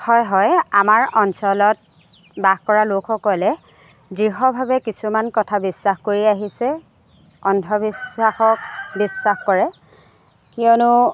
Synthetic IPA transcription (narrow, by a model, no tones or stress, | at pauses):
hɔjɦɔjamaɹɔnsɔlɔt̚ | baxkɔɹalokʰɔkɔlɛ | dɹiɦɔbʱabɛkisumankɔtʰabisːaxkoɹiaɦisɛ | ɔntʰɔbisaxɔk̚bisːaxkɔɹɛ | kiɔnʊ